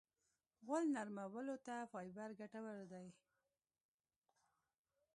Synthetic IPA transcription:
ɣəlnaɾmawəlot̪afɑjbaɾɡaʈawəɾd̪aj

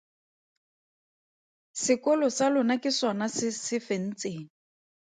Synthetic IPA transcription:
sɪkɔlɔsalʊnakɪswanasɪsɪfen̩t͡seːŋ̩

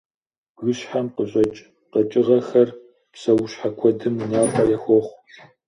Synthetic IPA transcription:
ɡʷʊɕħamqəɕʼɐt͡ʃʼ | qɐt͡ʃʼɪʁɐxɐr | psɐwʊɕħakʷʰɔdɨmnaːfʼɐjɛxʷɔχʷ

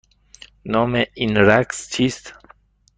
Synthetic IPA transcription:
nɒːmeinɾækst͡ʃʰiːst̪

